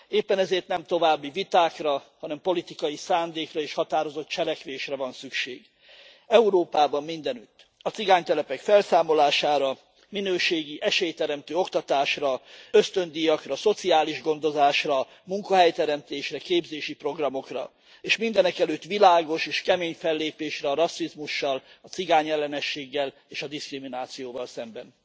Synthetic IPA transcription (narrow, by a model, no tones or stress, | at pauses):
eːpːɛnɛzeːrt̪nɛmt̪o̞vaːbːivit̪aːkrɒhɒnɛmpo̞lit̪ikɒjisaːnd̪eːkrɒeːʃhɒt̪aːɾo̞zo̞t̪̚t͡ʃɛlɛkʋeːʃrɛvɒnsykʃḛːɡ | ɛuɾoːpaːbɒmːind̪ɛnyt̪ː | ɒt̪siɡaːɲt̪ɛlɛpɛkfɛlsaːmo̞laːʃaːɾɒ | minøːʃeːɡiʔɛʃeːjt̪ɛɾɛmt̪øːo̞kt̪ɒt̪aːʃrɒø̞st̪ø̞nd̪ijɒkrɒso̞t̪siaːliʒɡo̞nd̪o̞zaːʃrɒ | muŋkɒɦɛjt̪ɛɾɛmt̪eːʃrɛkeːbzeːʃipro̞ɡrɒmo̞krɒ̰ | eːʃmind̪ɛnɛkɛløːt̪ːʋilaːɡo̞ʃeːʃkɛmeːɲfɛlːeːpeːʃrɛɒɾɒsːizmuʃːɒlɒt̪siɡaːɲɛlːɛnɛʃːeːɡːɛl | eːʃɒd̪iskriminaːt̪sijoːvɒlsɛmbɛn